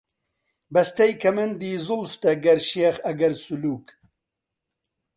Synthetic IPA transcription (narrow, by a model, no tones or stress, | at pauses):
bɐst̪ɐjkʰɐmɐnd̪iːzʊlft̪ɐɡɐɾʃeːχɐɡɐɾsuluːk